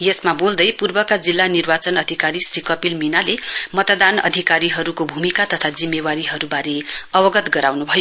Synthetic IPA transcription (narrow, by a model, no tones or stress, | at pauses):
jesmabold̪ʌjpurbʌkad͡zilːanirbat͡sʌnʌd̪ʱikaɾisrikʌpilminalemʌt̪d̪anʌ̰d̪ʱikaɾiɦʌɾukobʱumikat̪ʌt̪ʰad͡zimːewaɾiɦʌɾubaɾeʌbʌɡʌt̪ɡʌɾawnubʱʌjo